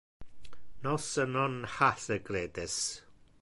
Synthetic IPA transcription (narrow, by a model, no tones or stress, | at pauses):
nɔsənɔnhaθəɡreːdɪs